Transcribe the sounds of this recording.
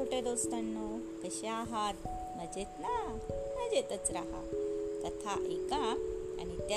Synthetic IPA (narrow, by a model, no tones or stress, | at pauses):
oʈed̪ost̪anːo | kəɕeaɦaɾ | məd͡ʑet̪na | məd͡ʑet̪ət͡sɾaɦa̰t̪ət̪ʰaʔekaa̰nit̪a